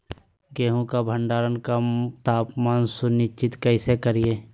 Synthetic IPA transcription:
ɡeːɦõkabʱə̃ɳɖaːɾənkat̪aːpmaːnsʊnɪt͡ʃɪt̪kɐɪsekəɾieː

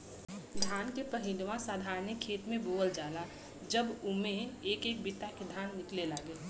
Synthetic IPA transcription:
d̪ʱaːnkepəɦɪ̃nmãsaːd̪ʱaːɾnɪkʰːeːt̪mẽboːəld͡ʒaːla | d͡ʒəbʊmẽeːkeːk̚bɪt̪aked̪ʱaːnːɪklelaːɡeː

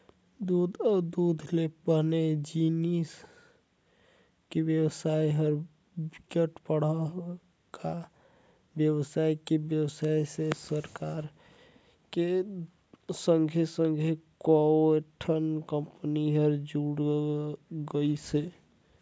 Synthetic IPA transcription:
d̪ud̪ʱɔd̪ud̪ʱlebəned͡ʒinis | kebjəbsajɦəɾ | bikeʈpəɽə | ka | bjəbsajkebjəwsajsesəɾkaɾ | ke | səŋɡʱesəŋɡʱekɔeʈʰənkəmpəniɦəɾd͡ʒuɽ | ɡəjse

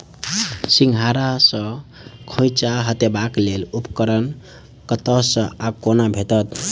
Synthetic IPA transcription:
siŋɡʱaɾasə̃ | kʰõjt͡ʃaɦət̪ebaklelupkəɾən | kət̪əsə̃akonabʱet̪ət̪

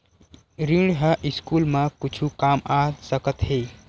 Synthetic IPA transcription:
ɾiɽɦəʔiskuːlmãkʊt͡ʃʰukamasəkət̪ɦeː

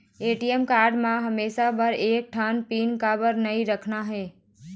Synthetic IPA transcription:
eːʈiemkaːɾɖmãɦɐmeːsabʱɐɾeːk̚ʈʰaːnpiːnkaːbəɾnɐiɾɐkʰnaɦeː

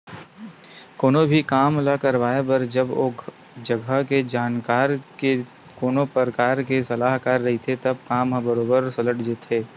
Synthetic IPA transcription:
koːnobʱikaːmlakɐɾʋaːebɐɾd͡ʒɐboː | d͡ʒɐɡəked͡ʒaːnkaːɾke | koːnopəɾəkaːɾkesɐlaːɦkaːɾːɐɦit̪ʰet̪ɐb̚kaːmɦãbɐɾoːbəɾsɐləʈd͡ʒet̪ʰɦeː

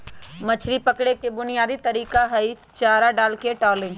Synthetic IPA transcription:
mɐt͡ʃʰɾipɐkɽekebʊnijaːd̪it̪ɐɾiːkaɦɐi | t͡ʃaːɾaɖaːlkeʈɔːlɪ̃ŋɡ

